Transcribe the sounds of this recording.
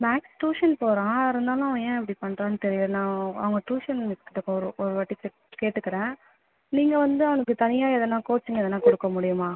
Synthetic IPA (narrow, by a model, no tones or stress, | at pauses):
maːksʈuːʂɐnpoːɾãːɪɾɯnd̪aːlʊ̃ɐʋɐ̃ẽːɛpːɐɽipɐɳːɾãːnːɯt̪ɛɾɪjɐnãːɐ̰ʋɐŋɡɐʈuːʂɐnmɪskɪʈ̪ːɯkːɔɾɯʔɔɾɯʋɐʈːit͡ʃːɛʈkeːʈːɯkːɐɾẽː | niːŋɡɐʋɐnd̪ɯɐʋɐnɐkːɯt̪ɐnɪjaːɛðɛnːãːkoːt͡ʃːɯŋɡɐɛðɐnːãːkɔɽɯkːɐmʊɽɪjɯmaː